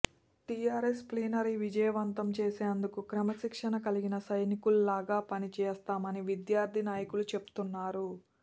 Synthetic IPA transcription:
ʈijaːɾespliːnɐɾiʋid͡ʒɐjɐʋɐnt̪ɐmt͡ʃeːseːnd̪ukukɾɐmɐʃikʂɐnɐkɐliɡinɐsɐjnikululaːɡaːpɐnit͡ʃɛːst̪aːmɐniʋid̪jaːɾd̪ʱinaːjɐkulut͡ʃe̞pu̥t̪unːaːɾu

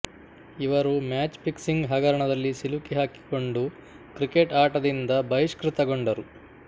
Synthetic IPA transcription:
iʋɐɾumaːt͡ʃpiksiŋɡɦɐɡɐɾɐɳɐd̪ɐlːisilukiɦaːki̥ko̞ɳɖu | kɾikeʈaːʈɐd̪ind̪ɐbɐjiʂkɾit̪ɐɡo̞ɳɖɐɾu

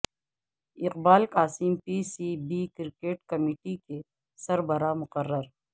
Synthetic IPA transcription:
ɪqbaːlkaːsiːmpiːsibiːkɪɾkeːʈkɐmiːʈike | sɐɾbəɾamʊqərːəɾ

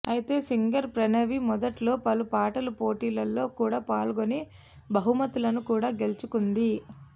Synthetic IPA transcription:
ɐjit̪e̞ːsiŋɡɐɾpɾɐnɐʋimɔd̪ɐʈlo̞ːpɐlupaːʈɐlupo̞ːʈiːlɐlːo̞ːkuːɽaːpaːlɡoni | bɐɦumɐt̪ulɐnukuːɽaːɡe̞lut͡ʃukund̪i

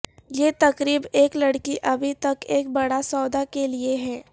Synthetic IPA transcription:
jeːt̪ɐkɾiːbeːklɐɽkiʔɐbʱit̪ɐkeːk̚bɐɽasɔːd̪akelieɦɛː

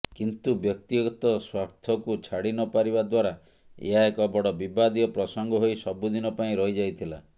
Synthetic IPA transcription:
kint̪ubjɔk̚t̪iɡɔt̪ɔswaɾt̪ʰɔkut͡ʃʰaɽinɔpaɾibad̪waɾa | ḛɦaekɔbɔɽɔbibad̪ijɔpɾɔsɔŋɡɔɦojsɔbud̪inɔpaĩɾɔɦid͡ʒajt̪ʰila̰

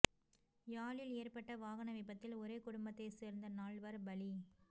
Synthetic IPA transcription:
jaːɭɪleːrpɐʈːɐʋaːɣɐɳɐʋɪpːɐt̪ːɪlɔɾeːkʊɽʊmbɐt̪ːɐɪseːɾnd̪ɐnaːɭʋɐɾbɐɭi

